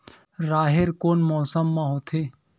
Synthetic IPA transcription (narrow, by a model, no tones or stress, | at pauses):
ɾaːɦeɾkoːnmɔːsəmːãɦoːt̪ʰeː